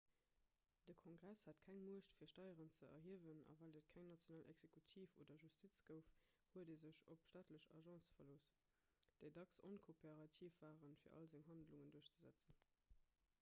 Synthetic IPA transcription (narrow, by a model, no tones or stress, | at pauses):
d̥əkʰoŋɡʁæshətkʰæŋmuəʃtfiːɐʃtɑɪəʁənt͡səɐ̰ɦiəvənɑ̰væːldət̚kʰæŋnɑt͡sjonaːlʔɛ̰ɡz̥ekʰutʰiːfo̰ːdɐʒustʰit͡sɡ̥əʊf | huədeːzəɕopʃtaːtləɕɑ̰ʒɑ̃sfɐloːs | d̥əɪdɑkso̰nkʰopʰeʁɑtʰiːfvaːʁənfiːɐʔɑ̰lzeŋɦɑndluŋənduɐɕt͡səzæ̰t͡sən